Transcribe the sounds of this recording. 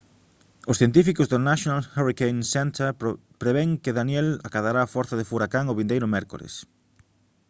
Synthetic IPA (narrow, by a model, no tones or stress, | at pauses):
ʊsθjent̪̬ifikozðonaʃjonalharikejnsɛnt̪eɾpɾeβeŋkɪðanjɛlakaðaɾaːfɔɾθaðɪfuɾakaŋʊβind̪ejɾʊmɛɾko̰lḛs